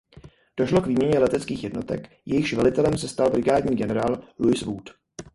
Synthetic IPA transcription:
d̥o̞ʃlo̞kviːmɲɛɲɛlɛt̪ɛt͡skiːxjɛdno̞t̪ɛ̰k | jɛjɪxʃʒvɛlɪt̪ɛlɛmsɛst̪albɾɪɡaːdɲiːɡɛnɛɾaːlluɪsvuːt̪

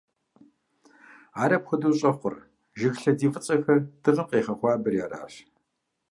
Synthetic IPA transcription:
aːɾɐpxʷʊduːɕʼɐχʷʊr | ʒɪxɬɐdiːvɨt͡sʼɐxɐrd̥ɨʁɐqʼeːχɐχʷɑːbɨrjaːra̰ːɕ

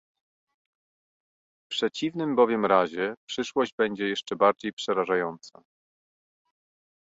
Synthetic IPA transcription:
fpʂɛt͡ɕivnɘmbɔvʲjɛmɾaʑɛpʂɘʂwɔʑd͡ʑbɛɲd͡ʑɛjɛʂt͡ʂɛbaɾd͡ʑejpʂɛɾaʐajɔnt̪sa̰

